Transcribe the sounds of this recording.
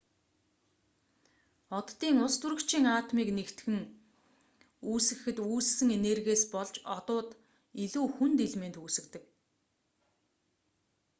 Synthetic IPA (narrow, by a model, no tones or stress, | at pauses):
ɔt̪ːiːŋʊst̪ʰuɾɵ̆kt͡ɕʰiːŋaːt̪miːknekt̪ɡɘ̆ŋ | uːsɘ̆xɘ̆t̪uːɮsɘ̆ŋenerɣeːspɔɮt͡ɕɔt̪ʊːt̪ | iɮuːxunt̪eɮment̪uːsɘ̆kt̪ɘ̆k